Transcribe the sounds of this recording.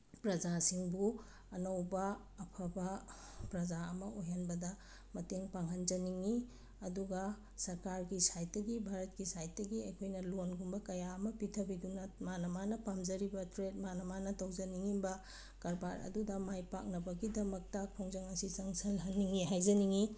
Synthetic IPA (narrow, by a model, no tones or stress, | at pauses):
pɾɐd͡ʒasiŋbu | ɐnɐwbɐː | pʰɐbɐ | pɾɐd͡ʒaɐmɐojɦɐnbɐdɐ | mɐteŋpaŋɦɐnd͡ʒɐniŋi | ɐduɡɐ | sɐɾkaɾɡisajt̚dɐɡibʱaɾɐt̚kisajt̚dɐɡiɐjkʰojnɐlonɡumbɐkɐjaɐmɐpitʰɐbidunɐmanɐmanɐpamd͡ʒɐɾibɐtɾet̚manɐmanɐtɐwzɐniŋibɐ | kɐɾbaɾɐ̰dudɐmajpa̰k̚nɐbɐɡidɐmɐk̚tɐpʰoŋzɐŋɐsisɐŋsɐlɦɐnːiŋiɦajzɐniŋi